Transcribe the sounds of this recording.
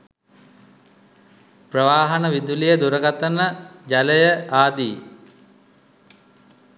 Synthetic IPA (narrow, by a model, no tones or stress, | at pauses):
prəʋaːɦɐnəʋid̪ulijəd̪uɾəɡat̪ənəd͡ʒaləjəʔaːd̪iː